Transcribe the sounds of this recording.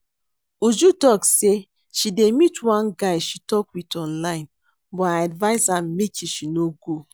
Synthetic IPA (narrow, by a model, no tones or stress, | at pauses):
ud͡ʒutɔkse | ʃidemitwãnɡaɪʃitɔkwitɔ̃nlaɪ̃n | bɔaadvaɪsãmmekiʃinoɡo